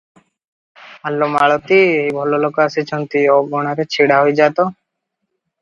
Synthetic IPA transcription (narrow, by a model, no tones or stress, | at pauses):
alːomaɭɔt̪ieɦibʱɔlɔlokɔasit͡ʃʰɔnt̪ioɡoɽ̃aɾet͡ʃʰiɽaɦojd͡ʒat̪ɔ